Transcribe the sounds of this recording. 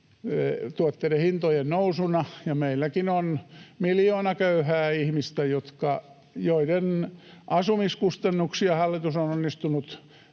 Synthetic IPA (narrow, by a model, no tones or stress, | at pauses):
t̪uot̪ːeidehint̪ojennousunɑjɑmeilːækinonmiljoːnɑkøyhæːihmist̪æjot̪kɑ | joidenʔɑsumiskust̪ɑnːuksiɑhɑlːit̪usononːist̪unut̪